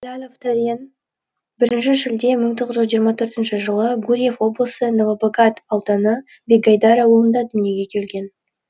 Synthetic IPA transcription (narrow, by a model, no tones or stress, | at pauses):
lʲalʲoft̪ʰaɾʲen | bɪɾɪnʃɪʒɪld̪e̞məŋt̪ʰo̞ʁəzʒɪzʒijəɾmɑt̪ʰɵɾt̪ɪnʃɪʒəlˠəɡuɾʲije̞fwo̞blˠəsənovoboɡɑt̪ɑwt̪ɑnə | beɡɑjd̪ɑɾɑwolˠənd̪ɑd̪ʏnije̞ɡʲe̞kʲʰe̞lɡʲe̞n